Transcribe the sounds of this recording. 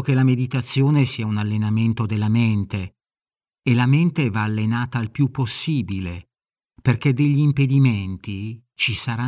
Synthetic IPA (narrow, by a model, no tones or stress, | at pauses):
k̟elamed̪it̪at̪sːjoːnesiaunalːenament̪od̪elːament̪eː | lament̪evaːlːenaːt̪alpjupːosːiːbile | perked̪eʎːiːmped̪iment̪i | t͡ʃisaɾa